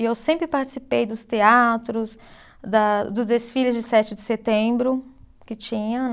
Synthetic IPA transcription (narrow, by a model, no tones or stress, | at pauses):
ɪewsẽmpɾɪpaɾt͡ʃi̥sipejd̪ʊst̪eat̪ɾʊs | d̪ɐd̪ʊzd̪esfilɪzd͡ʒɪsɛt͡ʃɪd͡ʒɪset̪ẽbɾʊ | kɪt͡ʃĩɲɐ̃